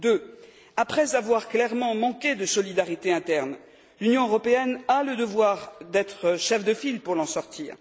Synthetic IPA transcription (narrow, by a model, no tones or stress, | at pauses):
d̪ø | apχɛzavwaʁklɛʁmɑ̃mɑ̃kʲed̪əsɔlid̪aʁit̪eɛ̃t̪ɛʁn | lynjɔ̃øʁɔpeɛnaləd̪əvwaʁd̪ɛt̪χəʃɛfd̪əfilpuʁlɑ̃sɔʁt̪ʰiːʁ